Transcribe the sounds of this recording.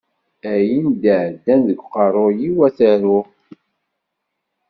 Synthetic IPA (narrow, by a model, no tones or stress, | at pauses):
æjind̪əʕd̪ːænðəɡʷqərˤojiwæθæɾʊ